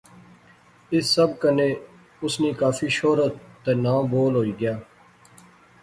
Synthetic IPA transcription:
ɪsːəbkəneː | ʊsniːkaːfʰiːʃoːɾət̪ːenaːboːlɦoːiːɡɪjaː

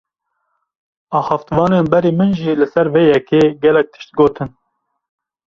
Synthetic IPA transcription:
ɑːxɑft̪vɑːneːnbɛɾiːmɨnʒiːlɨsɛɾveːjɛkeːɡɛlɛk̚t̪ʰɨ̥ʃt̪̚ɡoːt̪ʰɨn

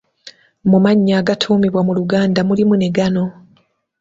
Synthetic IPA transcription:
mumaɲːaːɡatʰuːmiβwamuluɡaːndamulimune̞ɡano̞

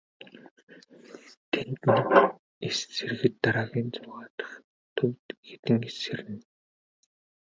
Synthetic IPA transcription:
t̪ʰent̪ɘ̆n | est͡serɣɘ̆t̪ːaɾaːɣʲiːnt͡sʊʁaːt̪ə̥̆χ | t̪ʰɵwt̪ɡet̪ɘ̆ŋeserɘ̆n

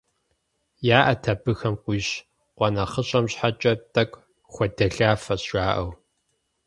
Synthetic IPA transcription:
jaːʔɐtʰɐbɨxɐmqʷiːɕ | qʷɔnɐχəɕʼɐmɕħat͡ʃʼɐtʼɐkʷ | xʷɔdɐɬaːfɐɕaːʔɐw

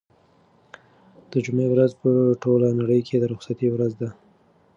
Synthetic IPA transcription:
d̪̥əd͡ʒumewɾazpəʈolanaɽəjkʰed̪əɾʊxsat̪iwɾazd̪a

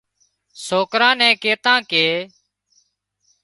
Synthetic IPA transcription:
soːkɾãːnɛ̃ːkeːt̪ãːkeː

